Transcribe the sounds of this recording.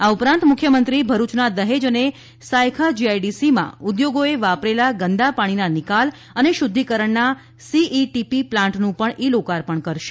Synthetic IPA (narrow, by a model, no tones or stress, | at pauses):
aupɾãnt̪mʊkʰjəmənt̪ɾibʱəɾut͡ʃnad̪əɦed͡ʒəne | sajkʰad͡ʒiajɖisimã̰ʊd̪joɡoeʋapɾelaɡənd̪apaɽ̃inanɪkal | əneʃʊd̪ʱːikəɾəɳna | siʔiʈipiplãɳʈnũpəɳʔilokaɾpəɳkəɾʃe̥